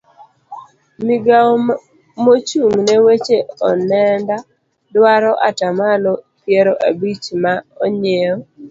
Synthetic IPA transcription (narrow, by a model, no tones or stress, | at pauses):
miɡa | mot͡ʃuŋnɛwet͡ʃeɔnɛnda | dwaɾɔʔa̰tamalɔ | pjeɾoʔabit͡ʃmaɔ̰ɲeɔ